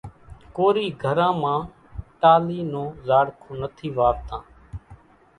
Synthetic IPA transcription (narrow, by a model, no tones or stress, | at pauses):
koːɾiːɡʱəɾãːmãː | ʈaːliːnõːzaːɽkʰõːnət̪ʰiːʋaːɾt̪ãː